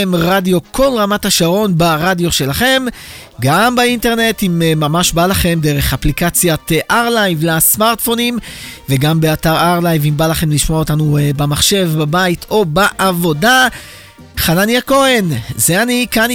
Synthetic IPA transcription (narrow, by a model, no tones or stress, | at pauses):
emʁadjo̞kʰo̞lʁamathaʃaʁo̞nbaʁadjo̞ʃe̞laχe̞m | ɡambainte̞ʁne̞timmamaʃbalaχe̞md̪eʁe̞χaplikat͡sjatʔaʁlajvlasmaʁt̪fo̞nimveɡambe̞ataʁaʁlajvimbalaχe̞mliʃmoaotanubamaχʃe̞vbabaitʰo̞baʔavo̞da | χananjako̞e̞nzeanikan